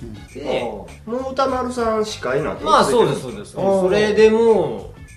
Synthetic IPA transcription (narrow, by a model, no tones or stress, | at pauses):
d̪e | mot̪amaɾɯsãɕi̥kainã̰t̪ːmasoːd̪esːoːd̪esoɾed̪e̞mo